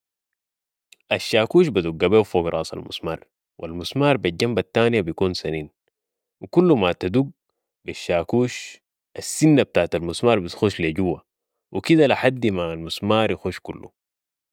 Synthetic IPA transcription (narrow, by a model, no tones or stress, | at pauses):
ʔaʃːaːkuːʃbad̪uɡːabeːwfoːɡɾˤʔɑ̰ːsˤɑ̰lmṵsmɑ̰ːɾˤ | wʔalmusmaːɾˤbaɟambat̪ːaːnjabijkuːnsaniːn | wikulːumat̪ad̪uɡ | biʃːaːkuːʃ | ʔasːinːab̚t̪aːʕt̪almusmɑːɾˤbisxoːʃliaɟuwːa | wikid̪alaħad̪ːimalmusmaːɾˤjixuːʃkṵlːṵ